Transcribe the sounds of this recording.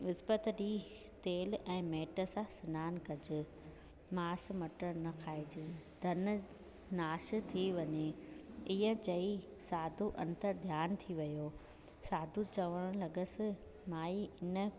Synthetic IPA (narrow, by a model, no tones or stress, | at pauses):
ʋɪspət̪ɗiː | t̪eːlɛ̃ːmeːʈə̆sãsɪnaːnkɐd͡ʑɪ̆ | maːs̆mɐʈəɾnɐkʰaːed͡ʑɪd̪ʱɐn̆ | naːʃ̆t̪ʰiʋɐɲeiːə̃t͡ɕɐi | saːd̪ʱuʔɐ̰̃nt̪əɾd̪ʱjaːnt̪ʰiʋɐjoː | saːd̪ʱut͡ɕɐʋəɽ̃lɐɡəsɪ̆ | maːiɪnə̆